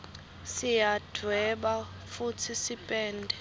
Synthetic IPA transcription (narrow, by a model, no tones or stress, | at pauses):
sijad̥ʱwɛɓa | futʰisipʼɛːndʱɛ